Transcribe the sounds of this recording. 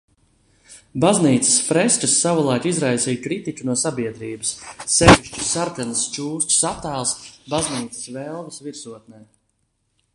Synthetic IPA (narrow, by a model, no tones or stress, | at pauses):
bazniːt̪sə̥sfɾɛsʲt͡ʃasːavulˠajkizɾajsiːjkɾit̪it͡ʃʲunuɔsabiɛd̪ɾiːbəsːɛviʃt͡ʃu̥saɾkanɐst͡ʃuːsʲt͡ʃsat̪aːlˠsbazniːt̪sɨ̥svɛlˠvəsviɾsuɔt̪̚nɛː